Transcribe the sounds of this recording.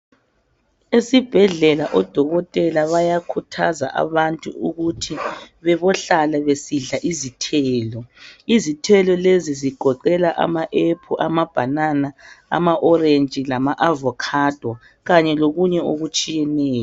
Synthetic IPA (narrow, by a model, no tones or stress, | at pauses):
esib̥ʱɛɮɛlaʔɔd̥ʱɔɣɔtʼɛlaβajakʰutʰaza̰ʔa̰βantʼṵuɣutʰiβɛβɔɬalɛβesiɮaʔizitʰɛːlɔizitʰɛlɔleziziɡ̥ʱɔǃɛlaʔa̰maʔepʰuʔamab̥ʱananaa̰maʔɔrent͡ʃʼilamaʔavɔkʰad̥ʱwɔ | ɣaɲɛloɣuɲɛoɣut͡ʃʼijɛnɛːjɔ